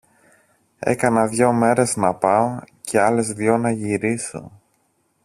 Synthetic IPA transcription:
e̞̰kɐnɐðʝo̞me̞ɾe̞znɐpɐocʰe̞ɐle̞zðʝo̞nɐʝiɾiso̰

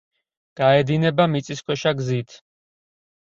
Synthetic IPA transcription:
ɡ̥aɛd̪inɛbamit̪sʼiskʰwɛʃaɡzit̪ʰ

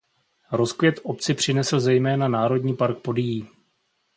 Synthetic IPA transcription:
ɾo̞skvjɛt̪ʔo̞pt͡sɪpr̝̥ɪnɛsl̩zɛjmɛːnanaːɾo̞dɲiːpaɾk̚po̞dɪjiː

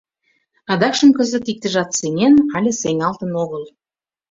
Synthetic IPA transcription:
ɑd̪ɑkʃə̆mkə̆zə̆t̪ik̚t̪ə̆ʒɑt̪seŋenɑlʲĕseŋʲɑlt̪ə̆noɣəl

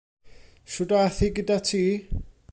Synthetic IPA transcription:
ʃʊdaθiɡədatʰiː

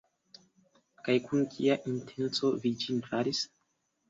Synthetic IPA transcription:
kajkunkʰiaʔintʰent͡sovid͡ʒintɾaɾis

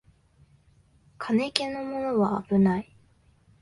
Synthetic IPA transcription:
kʰane̞kẽ̞nomo̞noβaːbɯ̟nai

